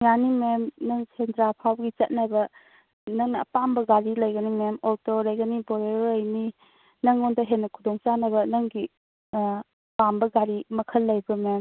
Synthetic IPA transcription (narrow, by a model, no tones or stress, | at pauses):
janimemnɐŋsʰendɾapʰawɡit͡ʃɐt̚nabɐ | nɐŋnɐɐpambɐɡaɾilɐjɡɐnimemɔtɔɾɐjɡɐnibɔɾeɾəjni | nɐŋondɐɦenːɐkʰudɔŋt͡ʃanɐbɐnɐŋɡi | pambɐɡaɾimɐkʰɐlːɐjbɐmem